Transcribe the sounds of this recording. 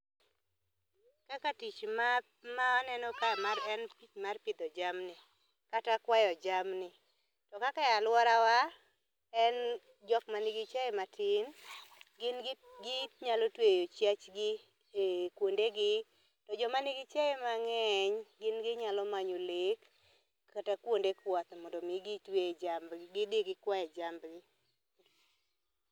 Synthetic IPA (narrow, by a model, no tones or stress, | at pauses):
kakatit͡ʃma | maanɛnɔkamarɛnpit͡ʃmarpɪd̪ɔd͡ʒamnɪ | katakwajɔd͡ʒamnɪ | tɔkakajalwɔɾawa | ɛn | d͡ʒɔkmanɪɡit͡ʃaɛmatɪnɡnɡɪtɲalotwejot͡ʃjat͡ʃɡɪ | kwondeɡɪ | tɔd͡ʒɔmanɪɡɪt͡ʃaemaŋɛɲɡɪnɡɪɲalɔmaɲolekʰː | atakwondekwɔt̪mɔndomiɡitwed͡ʒamɡɡɪdɪɡɪkwajɛd͡ʒambɡɪ